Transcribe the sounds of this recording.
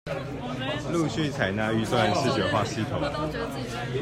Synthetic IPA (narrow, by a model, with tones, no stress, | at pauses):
lu˥˧ɕy˥˨t͡sʰa˨˩ɪna˥˧y˥˧swa˥˧nʂɻ̩˥˩t͡ɕɥɛ˨˧˥xwa˥˧ɕi˥˨t̪ʰʊ˨˩˦ŋ